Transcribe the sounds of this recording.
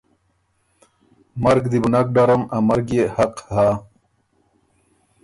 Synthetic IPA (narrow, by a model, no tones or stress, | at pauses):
mɐɾɡd̪ibunak̚ɖaɾɐmamɐɾɡehɐqhaː